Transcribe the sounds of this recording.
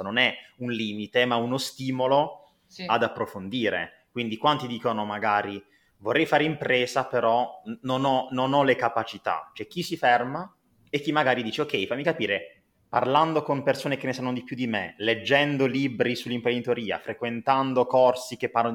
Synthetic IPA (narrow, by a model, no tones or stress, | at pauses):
nonɛunliːmit̪emaunost̪iːmolo | ad̪apːɾofond̪iːɾḛ | kwind̪ikwant̪id̪iːkonomaɡaːɾi | vorːɛjfaːɾeimpɾeːzapeɾɔnonɔnonɔlekapat͡ʃit̪a̰t͡ʃoɛk̟ːisifɛrma | ek̟ːimːaɡaːɾid̪iːt͡ʃeokːɛjfamːikapiːɾe | pa̰rland̪okompersoːnekenːesanːod̪ipjud̪imḛled͡ʒːɛnd̪oliːbɾisulːimpɾend̪it̪oɾiːa̰fɾekwent̪and̪okɔrsik̟epːaɾo